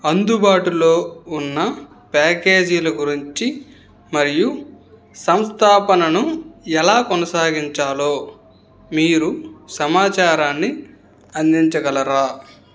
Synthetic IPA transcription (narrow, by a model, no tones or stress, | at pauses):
ɐnd̪ubaːʈulo̞ːunːɐ | pɛːke̞ːd͡ʒilɐɡuɾiɲt͡ʃi | mɐɾiju | sɐmst̪ʰaːpɐnɐnuɛlaːkɔnɐsaːɡiɲt͡ʃaːlo̞ː | miːɾusɐmaːt͡ʃaːɾaːnːi | ɐnd̪iɲt͡ʃɐɡɐlɐɾaː